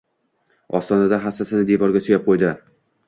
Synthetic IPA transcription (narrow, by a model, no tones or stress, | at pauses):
ɒst̪ɒnad̪aɦasːasɪnɪd̪e̞vɒɾɡʲat͡ʃ̪ʰojap̚qʰojd̪ɪ